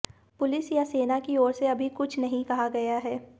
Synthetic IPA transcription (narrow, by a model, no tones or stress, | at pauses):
pʊlɪsjaseːnakiɔːɾseɐbʱikʊt͡ʃʰnɐɦĩkɐɦaɡɐjaɦɛː